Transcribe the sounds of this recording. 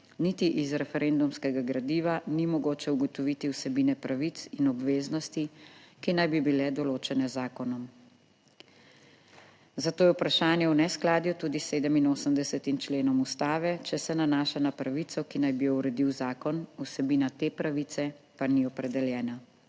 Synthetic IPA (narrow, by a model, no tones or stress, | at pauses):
nit̪iʔizɾɛfɛɾeːnd̪umskɛɡaɡɾad̪iːʋanimɔɡoːt͡ʃɛuɡɔt̪ɔʋit̪iwsɛbiːnɛpɾaʋit̪sinɔbʋeːznɔst̪ikinajbibilɛd̪ɔloːt͡ʃɛnɛzaːkɔnɔm | zat̪oːjɛupɾaʃaːnjɛwnɛsklaːd̪jut̪uːd̪iseːd̪əminoːsəmd̪ɛsɛt̪imt͡ʃleːnɔmust̪aːʋɛt͡ʃɛsɛnanaːʃanapɾaʋit̪sɔkinajbijɔwɾɛd̪iwzaːkɔnusɛbiːnat̪eːpɾaʋit̪sɛ | paniɔpɾɛd̪ɛljɛːna